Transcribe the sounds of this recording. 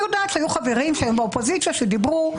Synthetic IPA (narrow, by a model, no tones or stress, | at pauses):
jodaːt̪ʃhajuχaveʁimʃeajumbaopozit͡ssjaʃedibʁu